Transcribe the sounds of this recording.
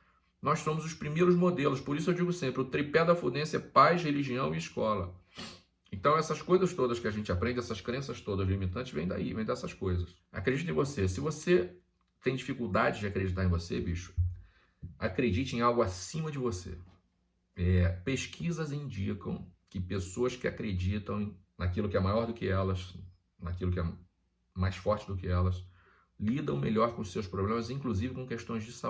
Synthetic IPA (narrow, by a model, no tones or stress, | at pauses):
nɔjssõmʊzʊʃpɾimejɾʊzmod̪elʊʃpoɾisʊewd͡ʒiɡʊsẽmpɾɪʊt̪ɾipɛd̪ɐfud̪ẽsɛpajʃheliʒiɐ̃w̃iiʃkɔlɐ̰ | ẽt̪ɐ̃w̃ɛsɐskojzɐst̪od̪ɐskɪaʒẽnt͡ʃɪapɾẽnd͡ʒɪɛsɐskɾẽsɐst̪od̪ɐzlimit̪ɐ̃t͡ʃɪ̥ʒvẽj̃d̪a̰ḭvẽd̪aɛsɐskojzɐs | a̰kɾed͡ʒit̪̬ẽvosesɪvose | t̪ẽj̃d͡ʒifikuwd̪ad͡ʒɪd͡ʒɪakɾed͡ʒit̪aɾẽvosḛbiʃʊ̥ | akɾed͡ʒit͡ʃɪẽj̃awɡʊasĩmɐd͡ʒɪvosḛ | ɛpeʃkʰizɐzĩnd͡ʒikɐ̰̃w̃kɪpesoɐskɪakɾed͡ʒit̪ɐ̃w̃ | nakilʊkɪɛmajɔɾd̪ʊkɪɛlɐs | nakilʊkɪɛ | majsfɔɾt͡ʃɪd̪ʊkɪɛlɐs | lid̪ɐ̃w̃meʎɔɾkõʊsewspɾoblẽmɐzĩkluzivɪkõkeʃt̪õj̃zd͡ʒɪsa